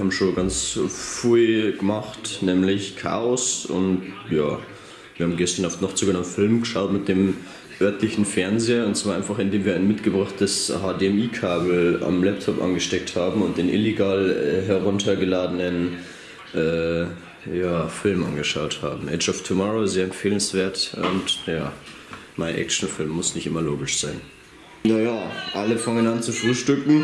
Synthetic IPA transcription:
haːbm̩ʃoːnɡant͡sfʁyːɡ̥əmaχtnɛːmlɪçkʰa̰ːɔsʊ̰ntjaː | v̥iːɐhabm̩ɡɛstɐnaʊfnɔχt͡suːɡənamtfɪlmɡəʃaʊtmɪt̚d̥eːm | ʔœɐtlɪçn̩fɛɐnzeːɐʊntsv̥aːɐaɪnfaχɪndeːmviːɐʔaɪnmɪtɡ̥əbʁaχtəshaːdeɛmiːkʰaːbl̩a̰mlɛp̚tʰɔpʔa̰nɡəʃtɛk̚thaːbm̩ʊnt̚d̥eːnʔɪleɡaːlɛɦɛɐʁʊntʰɐɡəlaːdənən | ʔɛː | jaːfɪlmʔa̰nɡəʃaʊtha̰ːbm̩ʔɛt͡ʃaʊftʰumɔʁozeːɐɛmfeːlənsv̥eːɐtʊntja̰ː | maɪnʔɛ̰k̚t͡ʃn̩fɪlmːʊsnɪçtʔɪ̰mɐloːɡɪʃz̥aɪn | najaːʔaləfaŋənant͡suʃʁuːlʃtʏkŋ̩

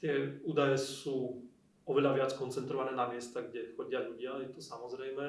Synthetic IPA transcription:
t̪ɪɛuːd̪ajɛsuː | ɔʋɛʎaʋɪat͡skɔnt͡sɛnt̪ɾɔʋanɛːnamɪɛst̪aɡɟɛxɔɟɪaʎuɟɪajɛt̪ɔsamɔzɾɛjmɛ

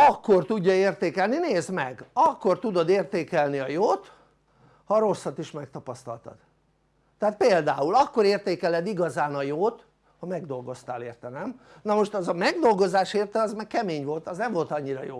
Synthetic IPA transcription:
ɒkːo̞rt̪uɟːɒeːrt̪eːkɛlnineːzmɛɡɒkːo̞rt̪ud̪o̞d̪eːrt̪eːkɛlniɒjoːt̪ | hɒɾo̞sːɒt̪iʃmɛk̚t̪ɒpɒst̪ɒ̰lt̪ɒ̰d̪̥ | t̪ːɛaːt̪̚peːld̪aːulɒkːo̞ɾeːrt̪eːkɛlɛd̪iɡɒzaːnɒjoːt̪ | hɒmɛɡd̪o̞lɡo̞st̪aːleːrt̪ɛnɛm | nɒmo̞ʃt̪ɒzɒmɛɡd̪o̞lɡo̞zaːʃeːrt̪ɛɒzmɛkkɛmeːɲʋo̞lt̪ɒznɛɱvo̞lt̪ɒɲːiɾɒ̰joː

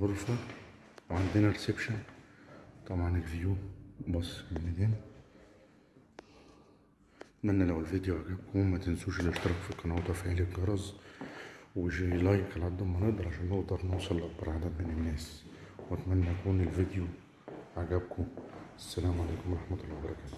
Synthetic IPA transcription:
boɾˤfæ | wʕand̪enæɾesebʃæn | t̪ˤɑmʕanekvijubɑsˤːmenːed̪æːn | t̪mænːælæwelvid̪joʕaɡæb̚komæt̪ensuːʃlːeʃt̪ɑɾˤɑkfiqːɑnwæt̪ˤɑfiælekɡɑɾˤɑzˤ | weʃlɑjːeqʕalʕad̪ːʊmːæneʔd̪ɑɾˤʕaʃæːnːeʔd̪ɑɾˤnowsˤɑlːɑbɑɾˤʕad̪æmenenːæːswt̪mænːæjækuːnelvid̪ju | ʕaɡæbkʰoʔæsːælæːmʕalæːkomɑɾˤɑħmæɑt̪ˤolːɑːwbɑɾˤɑkæːt̪

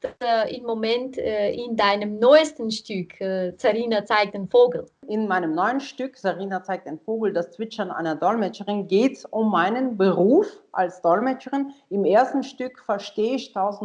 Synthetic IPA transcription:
d̥ɪmːomɛntːɪndaɪnəmnɔʏstən̩ʃtʏkːzaʁiːnat͡saɪk̚tanfoːɡl̩ɪnmaɪnəmnɔʏənʃtʏkz̥aʁiːnat͡saɪk̚taɪnfoːɡl̩dast͡sv̥ɪt͡ʃɐnʔa̰ɪnɐdɔlmɛt͡ʃəʁɪnɡeːtʊmːaɪnənbəʁuːfʔa̰lsd̥ɔlmɛt͡ʃəʁɪnɪmeːɐstn̩ʃtʏkfɛɐʃteːɪçtʰaʊzn̩

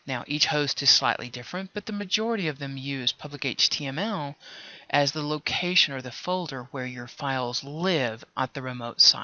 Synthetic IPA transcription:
naʊʔit͡ʃhoʊstɨz̥sla̰ɪʔlʔḭdɪfɹɨ̃nb̥ʌt̪̚ðɨmɨd͡ʒɔɹɨɾiʌvðɨ̃mjʉz̥pʰʌblɨkeɪt͡ʃtʰiɛ̃mɛlˠʔɨzðəloʊkʰeɪʃɨ̃nə˞ðɨfoʊlˠdə˞wə˞jə˞faɪlˠzlɪvʔə̰t̪̚ðɨɹɨmoʊtsa̰ɪ

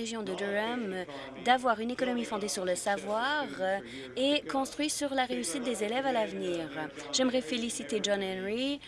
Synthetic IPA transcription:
eʒjɔ̃d̪əd̪əam | d̪avwaʁynekɔnɔmifɔ̃d̪esyʁləsavwaʁ | ekɔ̃st̪χɥisyʁlaʁeysit̪̚d̪ezelɛvalavniːʁ | ʒɛmʁɛfelisit̪eʒɔ̃nɛnʁi

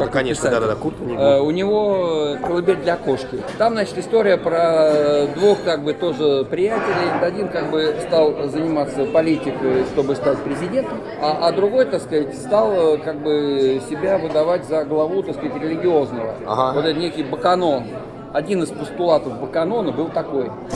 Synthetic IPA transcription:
kakkɐɪsad̪ad̪akut̪əʊnʲɪvo̞kəlˠɨbʲeɾʲd̪lʲɐko̞ʂkʲɪt̪amzat͡ɕɪ̥t̪ɪst̪oɾʲɪjəpɾəd̪vuxkaɡ̚bɨt̪o̞ʐɨpɾʲɪjætʲɪlʲɪj̪ʲət̪ɐdʲinkaɡ̚bɨst̪alˠzənʲɪmat̪sːəpɐlʲitʲɪkəjʂt̪o̞bɨst̪atʲpɾʲɪzʲɪdʲe̞nt̪əm | aːd̪ɾʊɡo̞jt̪akskzatʲst̪alˠkaɡ̚bɨsʲɪbʲavɨd̪ɐvatʲzəɡlˠɐvut̪askəzatʲɾʲɪlʲɪɡʲɪo̞znəvə̰ɦavot̪ɛt̪nʲekʲɪjbəkɐno̞n | ɐdʲinɨspəst̪ʊlˠat̪əfbəkɐno̞nəbɨlˠt̪ɐko̞j

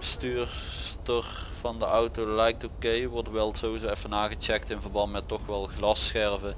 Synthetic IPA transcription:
əstyːɹstəɹv̥ɑndəʔɑwtolɛjk̚tokejʋɔɹtʋɛlˠtsoːizoɛfənaːɣət͡ʃɛk̚tɪnvərɹbɑntmɛtːɔxʋɛlˠɣlɑsxɛɹvə

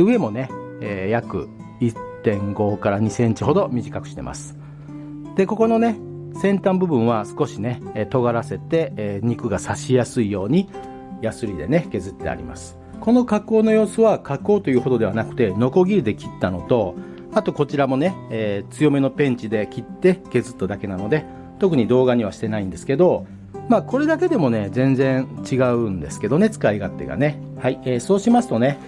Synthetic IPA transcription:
ɯ̟e̞mo̞ne̞eːjakɯ̟̰ | itt̪ːẽ̞ŋɡo̞kaɾaɲ̟isẽ̞ɲ̟t͡ɕiho̞d̪o̞mʲiʑikakɯ̟ɕi̥t̪e̞̰ma̰sɨ̥ | d̪̥e̞ko̞ko̞no̞ne̞ | sẽ̞nt̪ãmbɯ̟bɯ̟̃ɰ̃βasɨ̥ko̞ɕine̞t̪o̞ɡaɾase̞t̪e̞ːɲ̟ikɯ̟ɡasaɕijasɨijo̞ːɲ̟i | jasɨɾʲid̪e̞ne̞ke̞zɨt̪ːe̞̰a̰ɾʲḭma̰sɨ̥ | ko̞no̞kako̞ːno̞jo̞ːsoβakako̞ːt̪o̞jɯ̟ːɦo̞d̪o̞d̪e̞βanakɯ̟̥t̪e̞no̞ko̞ɡʲiɾid̪e̞kʲi̥t̪ːano̞t̪o̞ | at̪o̞ko̞t͡ɕiɾamo̞ne̞eːt͡sɨjo̞me̞no̞pẽ̞ɲ̟t͡ɕid̪e̞kʲit̪ːe̞ke̞zɨt̪ːod̪ake̞nano̞d̪e̞ | t̪o̞kɯ̟ɲ̟id̪o̞ːɡaɲ̟iβ̞aɕi̥t̪e̞naĩnd̪e̞sɨ̥ke̞d̪o̞ | maːko̞ɾe̞d̪ake̞d̪e̞mo̞ne̞zẽ̞nzẽ̞ɰ̃t͡ɕiɡaɯ̟nd̪e̞sɨ̥ke̞d̪o̞ne̞t͡sɨ̥kaiɡat̪ːe̞̰ɡa̰ne̞ | haieːso̞ːɕimasɨ̥t̪o̞ne̞

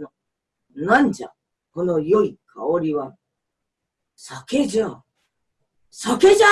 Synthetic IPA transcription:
nand͡ʑa̰ | hɯnojoikʰaoɾiwan | sakʰed͡ʑa | sakʰed͡ʑa

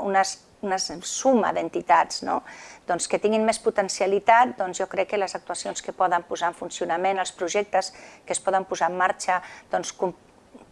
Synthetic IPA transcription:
unəs | unəsumə̰ðənt̪it̪ad͡zno̰d̪̥ɔnskət̪iŋɡinmesput̪ənsjəlit̪at̪̚d̪ɔnzjɔkɾɛkːələzək̚t̪uəsionskəpɔðəmpuzaəɱfunsiunəmenəlˠspɾuʒɛk̚t̪əskəspɔðəmpuzaəmːaɾt͡ʃəd̪̥ɔnskum

